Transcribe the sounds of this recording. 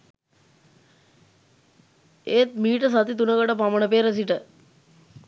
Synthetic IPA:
eːt̪̚miːʈəs̬at̪it̪̬unəkəʈəpaməɳəpeːɾəs̬iʈə

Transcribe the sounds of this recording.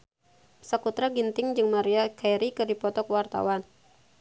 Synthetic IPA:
səkut̪ɾaɡint̪ɪŋd͡ʒɨŋmaɾiakajɾikɨdipɔt̪ɔkwart̪a̰wan

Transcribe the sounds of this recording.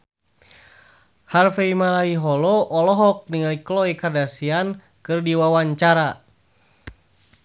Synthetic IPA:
harfeimalaiɦɔlɔʔɔlɔɦɔk̚niŋaliklɔikardasian | kɨrdiwawaɲt͡ʃaɾa

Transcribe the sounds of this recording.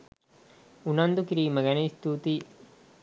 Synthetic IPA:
unɐnd̪ukiɾiːməɡæneist̪uːt̪iː

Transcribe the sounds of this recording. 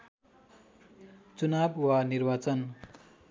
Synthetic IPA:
t͡sunabwanirbat͡sʌn

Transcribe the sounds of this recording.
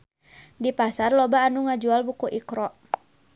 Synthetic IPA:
dipasarlɔbaːnuŋad͡ʒualbukuʔikɾɔʔ

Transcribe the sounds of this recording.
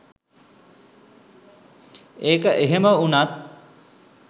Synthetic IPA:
eːkəʔeɦeməunat̪̚

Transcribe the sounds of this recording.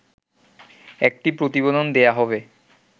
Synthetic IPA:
ɛk̚ʈipɾot̪ibod̪ond̪ejaɦɔbe

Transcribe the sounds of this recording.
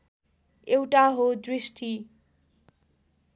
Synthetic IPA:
ewʈaɦod̪risʈʰi

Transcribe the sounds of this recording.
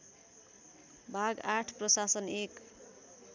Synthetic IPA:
bʱaɡaʈʰprʌsasʌnek

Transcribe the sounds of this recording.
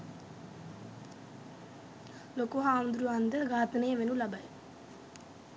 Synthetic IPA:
lokuɦaːnd̪ɾuɐnd̪ɐɡaːt̪ɐneːʋenulɐbɐj

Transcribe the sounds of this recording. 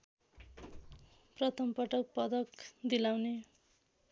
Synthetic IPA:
prʌt̪ʰʌmpʌʈʌk̚pʌd̪ʌkd̪ilawne

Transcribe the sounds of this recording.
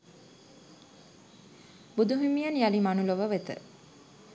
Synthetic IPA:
bud̪uɦimijɐnjalimanuloʋəʋet̪ə̰

